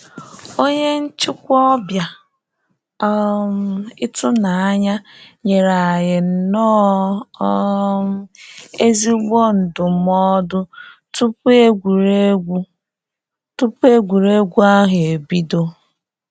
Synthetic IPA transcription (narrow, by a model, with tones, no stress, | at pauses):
o˦ɲe˦n̩˦t͡ʃɪ˦kʷɔ˦bja˨˦ | m˦ɪ˦tʊ˦na˨a˦ɲa˦ɲe˨ɾa˨jɪ˨n̩˨nɔ˦ | m˦e˦zi˦ɡ͡bo˦n̩˨dʊ˨mɔ˦dʊ˦ | tu˦pe˦ɡʷu˨ɾe˦u˦ | tu˦pe˦ɡʷu˨ɾe˦ɡʷu˦a˦ɦe˨bi˦do˦